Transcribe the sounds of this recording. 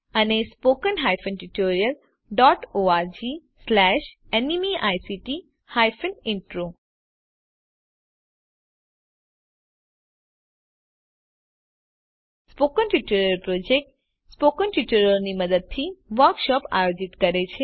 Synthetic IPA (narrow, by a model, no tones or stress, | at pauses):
ənespokənɦajfʰənʈuʈoɾijəl | ɖɔʈoaɾd͡ʒi | slɛʃ | enimiʔajsiʈi | hajfənɪɳʈɾo | spokənʈuʈoɾjəlpɾod͡ʒek̚ʈ | spokənʈuʈoɾəɾniməd̪əd̪̚t̪ʰiʋəɾkʃɔpa̰jod͡ʒit̪kəɾet͡ʃʰe